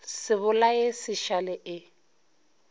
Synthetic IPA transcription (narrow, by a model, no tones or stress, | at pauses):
sɪβʊlaesɪʃalɛʔɪ